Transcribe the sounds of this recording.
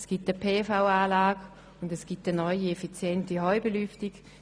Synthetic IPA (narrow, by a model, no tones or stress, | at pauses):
sɡ̥itəpʰeːfaʊaːlaːɡ | ʊndɛsɡ̥itənɔʏiɛfit͡sjɛntiɦɔʏbelyftiɡ